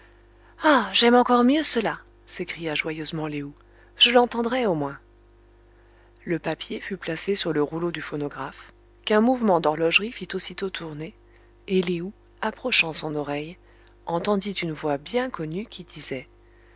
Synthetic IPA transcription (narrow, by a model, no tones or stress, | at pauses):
aʒɛmɑ̃kɔʁmjøsəla | sekχijaʒwajøzmɑ̃leu | ʒ̥əlɑ̃t̪ɑ̃d̪ʁɛomwɛ̃ | ləpapjefyplasesyʁləʁulod̪yfɔnɔɡʁaf | kɛ̃muvmɑ̃d̪ɔʁlɔʒʁifit̪osit̪ot̪ʰuʁneː | leu | apχɔʃɑ̃sɔ̃nɔʁɛj | ɑ̃t̪ɑ̃d̪it̪ynvwabjɛ̃kɔnykʲʰid̪izɛ